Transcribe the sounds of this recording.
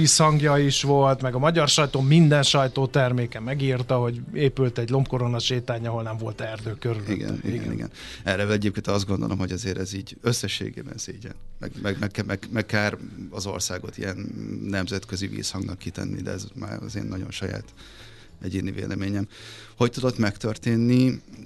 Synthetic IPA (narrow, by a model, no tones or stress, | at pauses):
iːshɒŋɡjɒiʃʋo̞lt̪mɛɡɒmɒɟɒrʃɒjt̪oːmind̪ɛnʃɒjt̪oːt̪ɛrmeːkɛmɛɡiːrt̪ɒɦo̞ɟeːpylt̪ɛɟlo̞mpko̞ɾonɒʃeːt̪aːɲɒɦo̞lnɛɱvo̞lt̪ɛrd̪øːkøɾyliɡɛ̰nḭɡɡ̰nḭɡɛ̰n | ɛrɛlɛɟeːpkeːnɒzd̪ɡo̞nd̪o̞lʔomho̞ɟɒzeːɾɛziːɟøsːɛʃːḛːɡḛːbɛ̰nseːɟɛ̰nmɛ̰ɡmɛɡmɛɡkmɛɡmɛkkaːrɒzo̞̰rsaːɡo̞t̪ijɛnːɛmzɛt̪køzivḭːshɒŋɡnɒkːit̪ɛ̰nːḭd̪ɛ̰ɛzma̰ːɾɒ̰zeːnːɒɟo̞̰nʃɒja̰ːt̪ | ɛɟeːnivḛːlʔɛmeːɲɛmho̞ct̪ud̪o̞t̪mɛkt̪ørt̪eːnːi